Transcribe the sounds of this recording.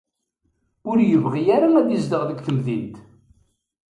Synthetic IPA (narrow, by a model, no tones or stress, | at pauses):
ʊɾjəvʁijæɾaæd̪izd̪əʁðəɡʷθəmðint̪